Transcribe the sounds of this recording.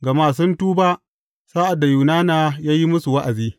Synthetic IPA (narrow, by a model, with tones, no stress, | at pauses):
ɡa˨maː˦˨s̬ʊ˦ntuː˦ba˦ʔ | saː˦ʔa˨da˨juː˨naː˦naː˨jaː˦ji˦mʊ˦su˨wa˦ʔa˨ziː˦